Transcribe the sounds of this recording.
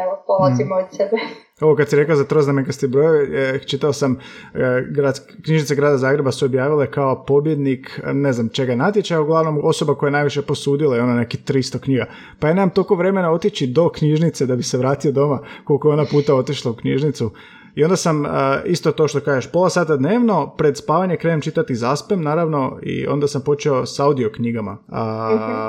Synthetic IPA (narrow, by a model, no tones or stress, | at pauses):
eopolot̪imood̪sebe | o̞ʋokad̪siɾe̞klazat̪ɾoznamekast̪ibɾojot͡ʃit̪aosam | ɡɾad̪ | kɲiʒnit̪seɡɾaːd̪azaːɡɾe̞basuobjaːʋilekao̞po̞bje̞d̪nikneznamt͡ʃe̞ɡanat̪jet͡ʃajauɡlˠaʋno̞mo̞so̞bakojenaːjʋiʃeposuːd̪ilaio̞nanekit̪ɾist̪okɲiɡa | pajaːne̞mamt̪olkoʋɾe̞me̞nao̞t̪it͡ɕid̪o̞kɲiʒnit̪se̞d̪abiseʋɾaːt̪ijod̪o̞makolkoeo̞napuːt̪ao̞t̪iʃlˠaukɲiʒnit̪su | io̞nd̪asaməist̪ot̪oʃt̪o̞kaːʒeʃpo̞lˠasaːt̪ad̪neːʋno̞pɾe̞d̪spaːʋaɲekɾe̞ɲemt͡ʃit̪at̪izaspemnaːɾaʋno̞ḭo̞̰nd̪asampo̞t͡ʃio̞saud̪io̞kɲiɡama̰